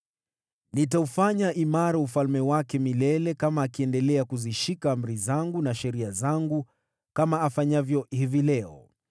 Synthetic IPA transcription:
nitaufaɲaʔimaɾaufalmɛwakɛmilɛlɛkamaːkiɛndɛlɛakuziʃikaːm̩ɾizaŋɡunaʃɛɾiazaŋɡu | kamaːfaɲavjɔhivilɛɔ

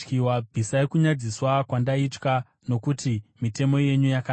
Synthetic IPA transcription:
kiwabʱisajekuɲad͡ziswakwandait͡ʃka | no̞kutimite̞mo̞je̞ɲujaka

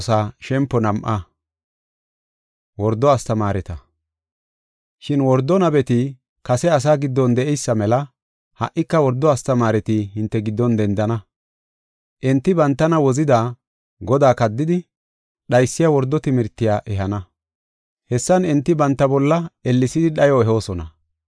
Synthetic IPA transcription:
saːʃɛmpːɔnɐmʔɐ | wɔɾd̪ːɔɐst̪ɐmaːɾɛt̪ɐ | ʃɪnwɔɾd̪ɔnɐbɛt̪ɪ | kɐsɛɐs̬aːɡɪd̪ːɔnd̪ɛʔɛjsːɐmɛlɐ | hɐʔːɪkːɐwɔɾd̪ːɔɐst̪ɐmaːɾɛt̪ɪɦɪnt̪ːɛɡɪd̪ːɔnd̪ɛnd̪ɐnɐ | ʔɛnt̪ːɪbɐnt̪ːɐnɐwɔzɪd̪aː | ɡɔd̪aːkɐd̪ːɪd̪ɪ | ɗɐjsːɪjawɔɾd̪ːɔt̪ɪmɪɾt̪ːɪjaːʔɛɦɐnɐ | hɛsːɐnɛnt̪ːɪbɐnt̪ːɐbɔlːɐɛlːɪsɪd̪ɪɗɐjɔɛɦo̞ːsɔnɐ̰

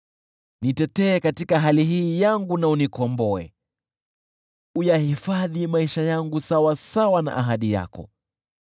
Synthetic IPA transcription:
nitɛtɛːkatikaɦaliɦiːjaŋɡunaunikɔmbɔɛ̰ | ujahifaðimaiʃajaŋɡusawasawana̰ʔaɦaɗija̰kɔ̰

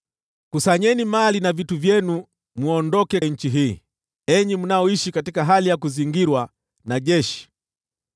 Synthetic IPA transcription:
kusaɲɛnimalinavituvjɛnu | muɔndɔkɛɲ̩t͡ʃiɦiː | ɛɲimunaɔiʃikatikaɦalijakuziŋɡiɾwa | naʄɛʃi̥

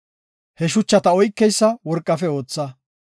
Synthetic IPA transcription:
hɛʃ̬ʊt͡ʃːɐt̪ɐɔjkːɛjsːɐwɔɾkʼːɐfɛo̞ːt͡sːɐ

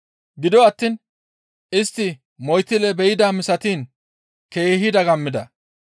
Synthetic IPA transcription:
ɡɪd̪ɔɐt̪ːiːn | ɪst̪ːɪ | mɔjt̪ːɪlɛbɛjɪd̪aːmɪsɐt̪iːn | ke̞ːɦɪd̪ɐɡɐmːɪd̪ɐ

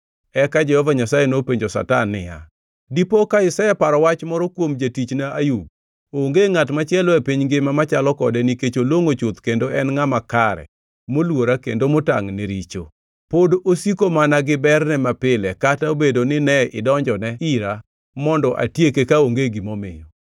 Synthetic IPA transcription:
ɛkad͡ʒɛhɔvaɲasajenopeɲd͡ʒosa̰tanːɪ̰ja̰ | dipokaɪsajɛpaɾɔwat͡ʃmɔɾɔkwomd͡ʒatit͡ʃnaʔajuɡ̚ | oŋɡeŋatmat͡ʃɪɛlɔepiɲɡɪmamat͡ʃalɔkɔdɛniket͡ʃoloŋot͡ʃʊt̪kendoɛnŋamakaɾɛ̰ | molwoɾakḛndomʊta̰ŋneɾit͡ʃo | podosikomanaɡɪbɛrnɛmapɪlɛkataobedonɪnɛʔɪdɔɲd͡ʒɔnɛiɾa | mɔndɔʔa̰tjekekaoŋɡeɡimomɪ̰jɔ

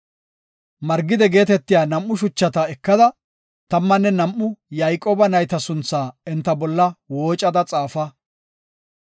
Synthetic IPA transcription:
mɐɾɡɪd̪ɛɡe̞ːt̪ɛt̪ːɪjaːnɐmːʊʃ̬ʊt͡ʃːɐt̪ɐɛkːɐd̪ɐ | t̪ɐmːɐnːɛnɐmʔːʊjɐjkʼːoːbɐnɐjt̪ɐsʊnt͡sːaːɛnt̪ːɐbɔlːɐwoːt͡ʃʼːɐd̪ɐt͡sʼaːfɐ

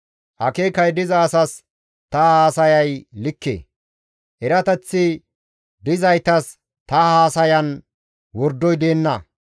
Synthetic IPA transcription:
ʔɐkeːkɐjd̪ɪzɐːsɐs | t̪ɐhaːsɐjɐjlɪkːḛː | ʔɛɾɐt̪ɛt͡sːɪ | d̪ɪzɐjt̪ɐs | t̪ɐhaːsɐjɐn | wɔɾd̪ːɔjd̪e̞ːnːɐ

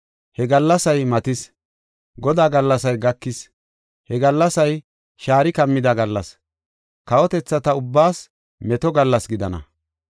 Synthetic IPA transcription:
hɛɡɐlːɐsɐjmɐt̪ɪs | ɡɔd̪aːɡɐlːɐsɐjɡɐkːɪs | hɛɡɐlːɐsɐj | ʃaːɾɪkɐmːɪd̪aɡɐlːɐs | kɐwɔt̪ɛt͡sːɐt̪ɐʊbːaːs | mɛt̪ɔɡɐlːɐsɡɪd̪ɐnɐ̰

